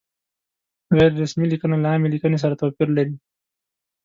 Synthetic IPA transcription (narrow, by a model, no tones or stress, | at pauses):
ɣɛjɾɾasmilikənalaaːmelikənes̬aɾat̪opiɾlaɾi